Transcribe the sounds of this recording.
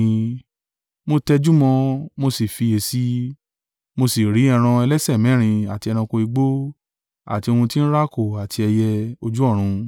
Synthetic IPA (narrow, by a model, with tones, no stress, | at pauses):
mo˧tɛ˧d͡ʒu˦mɔ̃˧mo˧si˨fi˧e˧˨si˦ | mo˧si˨ɾi˨˦ɛ˧ɾ̃ã˧ɛ˧lɛ˦sɛ˦˨mɛ̃˨˦ɾ̃ĩ˧a˨ti˧ɛ˧ɾ̃ã˧kõ˧i˧ɡ͡bo˦ | a̰˦˨ti˧o˧hũ˧ti˦n̩˦ɾa˦ko˦˨a˨tʰi˧ɛ˧jɛ˧o˧d͡ʒu˦ɔ˦˨ɾ̃ũ˧